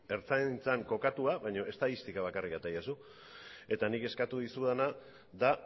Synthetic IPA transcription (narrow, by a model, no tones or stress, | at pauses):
e̞ɾt͡sant͡saŋko̞kat̪uaβajɲo̞e̞st̪aðist̪ikaβ̞akarikat̪ajasu | e̞t̪anike̞skat̪uðisuðana | ða